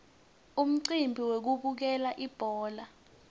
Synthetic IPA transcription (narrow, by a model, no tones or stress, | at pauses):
um̩ǀimbʱiwek̬uk̬uk̬ɛlaʔib̥ʱɔːla